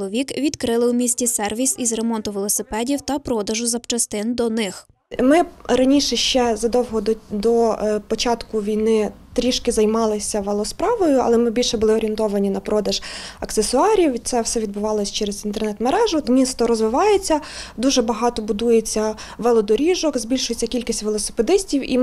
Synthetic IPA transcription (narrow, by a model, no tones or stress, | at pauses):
lˠɔʋʲikʋʲid̪kɾɪlˠɪwmʲisʲtʲisɛrʋʲisizre̞mɔnt̪ʊʋelˠɔsɪpɛdʲiwt̪ɐpɾɔd̪ɐʒʊzɐpt͡ʃɐst̪ɪnd̪ɔnɪx | mɪɾɐnʲiʃɛʃt͡ʃɛzɐd̪ɔwɦɔd̪d̪ɔpɔt͡ʃɑt̪kʊʋʲijnɪt̪ɾʲiʃkɪzɐjmɑlˠɪsʲɐʋelˠɔspɾɑʋɔjʊɐ̰lˠɛmɪbʲilʲʃɛbʊlˠɪɔɾʲient̪ɔʋɐnʲinɐpɾɔd̪ɐʒɐksesʊɑɾʲiwt̪sɛwsɛʋʲid̪bʊʋɑlˠɔsʲt͡ʃɛɾezint̪ɛrnɛt̪meɾɛʒʊmʲist̪ɔɾɔzʋɪʋɑjet͡sʲːɐd̪uʒɛbɐɦɑt̪ɔbʊd̪ujet͡sʲːɐ | ʋɛlˠɔd̪ɔɾʲiʒɔkzbʲilʲʃʊjet͡sʲːɐkʲilʲkʲisʲtʲʋelˠɔse̥ped̪ɪsʲtʲiwḭ